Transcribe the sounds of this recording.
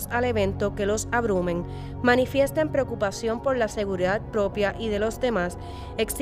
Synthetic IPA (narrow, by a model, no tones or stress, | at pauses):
sale̞β̞ẽ̞nt̪o̞ke̞lo̞saβɾumẽ̞ŋ | mãnifje̞st̪empɾe̞okupasjo̞mpo̞ɾlase̞ɣ̞uɾiðat̪̚pɾo̞pjaʔiðe̞lo̞zd̪e̞mas | e̞ks